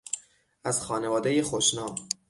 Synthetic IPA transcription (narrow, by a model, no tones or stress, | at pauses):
ʔæz̥xɒːnevɒːd̪ejexoʃnɒːm